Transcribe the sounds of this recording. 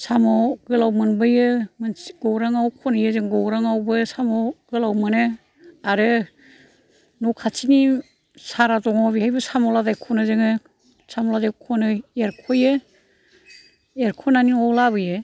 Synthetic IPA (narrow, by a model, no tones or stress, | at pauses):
samɔɡɯlawmɯnbɯjɯmɯnɡɔwɾaŋawkʰɔnɯjɯzɯŋɡɔwɾaŋawbɯsamɔɡɯlawmɯnɯ | aɾɯ | nɔkʰat͡ʃʰini | saɾazɔŋawβihajbɯsamɔlazajkʰɔnɯzɯŋɯ | samɔlazajkʰɔnɯeɾkʰɔjɯ | eɾkʰɔnaninɔlaβɯjɯ